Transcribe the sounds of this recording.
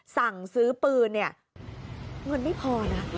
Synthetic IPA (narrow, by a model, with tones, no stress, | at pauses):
sa˨˩ŋsɯː˦˥pɯː˧nːi˥˩ɐ | ŋɤ˧nma˥˩jpʰɔː˧na˦˥